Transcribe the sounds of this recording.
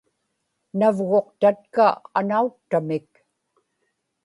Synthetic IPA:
navɣo̞q̚t̪at̪̚kaa̰nauk̚t̪amɪk̚

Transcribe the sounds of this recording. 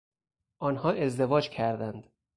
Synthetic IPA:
ʔɒːnhɒːe̞zd̪e̞vɒːd͡ʒcʰæɾd̪ænd̪

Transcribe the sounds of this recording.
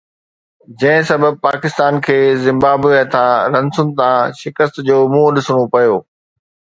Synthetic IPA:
d͡ʑɐ̃ɦɪ̃sɐbəb̚paːkɪst̪aːnkʰeːzɪ̃mbaːbət̪ʰãɾɐ̃nsʊnɪ̆t̪ʰãʃɪkəst̪d͡ʑoːmũːɗɪsɽ̃opɐjoː

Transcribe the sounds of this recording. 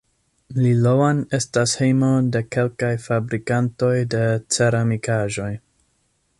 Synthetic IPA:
lilowane̞stashejmo̞de̞ke̞lkajfabɾikanto̞jde̞t͡se̞ɾamikaʒo̞j

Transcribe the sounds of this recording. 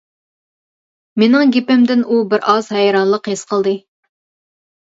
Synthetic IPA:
menɪŋɡʲepɪmd̪ɪnubɪɾɑz̥hɛjɾɑnlˠəqhesqʰəlˠd̪ɨ

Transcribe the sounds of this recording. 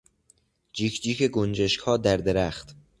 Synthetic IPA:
d͡ʒiːkʰd͡ʒiːkʰeɡond͡ʒeʃkhɒːd̪æɾd̪eɾæχt̪

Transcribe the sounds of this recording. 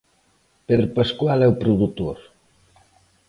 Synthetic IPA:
peɾpaskwalɛupɾuðut̪oɾ

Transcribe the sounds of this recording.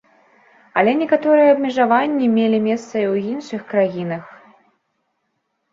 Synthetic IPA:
ɐlʲɛnʲɛkat̪ɔɾɨjɛɐbmʲɛʐavanʲːimʲelʲimʲɛst̪sɐiwinʂɨxkɾajinɐx

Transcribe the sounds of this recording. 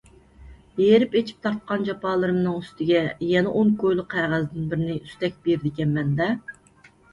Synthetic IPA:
jeɾɪpet͡ʃʰi̥p̚t̪ʰɑɾt̪̚qɑnd͡ʒɑpɑːlˠɨɾɨmnɨŋyst̪ʰɪɡʲɛjɛnɛʔoŋkʰojlˠʊqʰːæʁæzɪd̪ɪnbɪɾɪnɪyst̪ɛk̚ʲb̥eɾd̪ɪɡʲɛnmɛnd̪ɛ

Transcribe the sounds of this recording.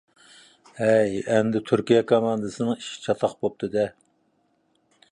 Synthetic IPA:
ɛjɛnd̪ɪt̪ʰyɾkʲijɛkʰɑmɑnd̪ɨsɨnɨŋiʃi̥t͡ʃʰɑt̪ʰɑχbop̚t̪ʰɨd̪ɛ

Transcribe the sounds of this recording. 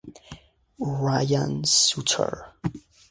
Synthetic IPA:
ɹajãnsutʰə̰ɹ

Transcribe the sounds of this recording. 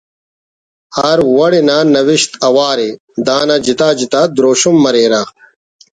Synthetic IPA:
aːɾwɐɽinaːnɐwiɕt̪ɐwaːɾe | d̪aːnad͡ʑit̪aːd͡ʑit̪aːd̪ɾoːɕumːɐɾeːɾaː

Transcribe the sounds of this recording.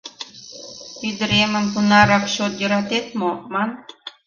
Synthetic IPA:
pyd̪əɾeməmpunɑɾɑkɕot̪jə̆ɾɑt̪et̪momɑn

